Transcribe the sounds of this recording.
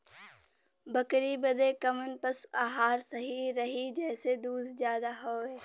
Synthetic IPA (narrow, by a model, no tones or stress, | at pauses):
bəkɾibəd̪ekəmənpəsaːɦaːɾsəɦiɾɐɦid͡ʒɛːsed̪uːd̪ʱd͡ʒjaːd̪aɦoːɛː